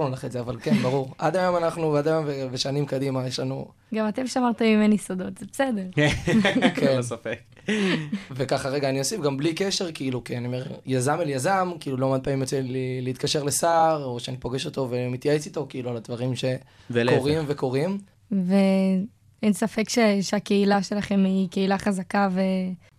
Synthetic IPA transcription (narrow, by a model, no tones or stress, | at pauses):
nulaχetzeavalkenbaʁuʁad̪ajo̞manaχnuvead̪ajo̞mveveʃanimkad̪imajeʃlanṵ | ɡamat̪emʃeamaʁt̪emimenjesod̪ot̪z̥ebesed̪eʁ | kensafek | vekaχaʁeɡaːniosifɡamblikeʃe̞ʁkiiːlukianiome̞ʁjazameljazamkiːlulomad̪̚paːmimjot͡selileit̚kaʃe̞ʁlesaʁoʃeanipo̞ɡeʃo̞t̪o̞vemit̪jaet͡sit̪o̞kiiːlualad̪vaʁimʃe̞velkoʁimveko̞ʁim | ve | ensafekʃeʃeake̞ilaʃe̞laχe̞mike̞ilaχazakave